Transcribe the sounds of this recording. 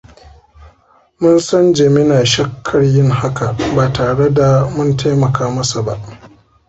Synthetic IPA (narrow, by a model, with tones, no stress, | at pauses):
mʊ˦nsɐ˦nd͡ʒe˨mɪ˦naː˨ʃɐ˦kʰːɐ˨rjɪ˦ŋha˦ka˨baː˨taː˨ɽe˦da˨mʊ˦ntʰa˦jmɐ˨kʰaː˦mɐ˦sa˨ba˦ʔ